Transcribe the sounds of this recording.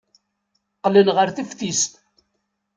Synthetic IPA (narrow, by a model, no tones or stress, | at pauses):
qlənʁəɾθifθist̪